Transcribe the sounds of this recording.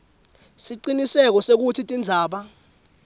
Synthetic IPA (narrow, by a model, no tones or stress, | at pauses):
siǃinisɛk̬ɔsek̬utʰitʼind͡zʱaːɓa